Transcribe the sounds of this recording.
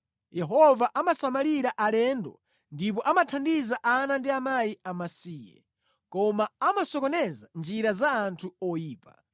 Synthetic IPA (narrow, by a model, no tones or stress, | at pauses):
jɛɦɔvaʔamasamaliɾaʔalɛndɔ̰ | ndip̬ɔʔamatʰandizaʔanandiamajiamasiːjɛ̰ | kɔmaamasɔkɔnɛzand͡ʒiɾazaːntʰuɔjiːpa